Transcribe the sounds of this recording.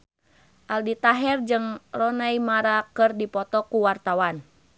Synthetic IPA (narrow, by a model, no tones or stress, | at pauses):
ʔaldit̪aɦɛrd͡ʒɨŋrɔnaimaɾakɨrdipɔt̪ɔkuwart̪awan